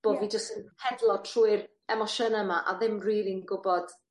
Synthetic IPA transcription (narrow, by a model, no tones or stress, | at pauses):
b̥oːvid͡ʒəstənhɛdlˠɔtʰruːɨr | ɛmɔʃənəmaʔa̰ðɪmriːɾinɡʊbɔd̥